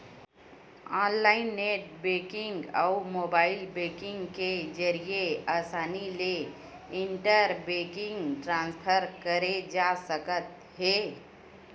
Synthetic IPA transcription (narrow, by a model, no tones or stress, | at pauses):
ãːnlaɪnːeʈ̚bekɪŋɡa̰mobaːɪlbekɪ̃ŋɡked͡ʒəɾijeasaːnile | ɪɳʈəɾbekɪ̃ŋɡʈɾãnspʰəɾkəɾed͡ʒasəkət̪ | ɦe